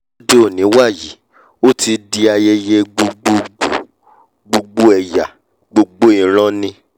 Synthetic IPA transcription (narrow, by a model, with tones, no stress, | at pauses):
de˦o˦˨nĩ˨˦wa˦˨ji˨˦ | o˦ti˧di˧a˧je˦je˦ɡ͡bo˧ɡ͡bo˦o˦˨ | ɡ͡bo˧ɡ͡bo˦ɛ˨ja˨ | ɡ͡bo˨ɡ͡bo˦ĩ˦˨ɾ̃ɔ̃˦nĩ˧˦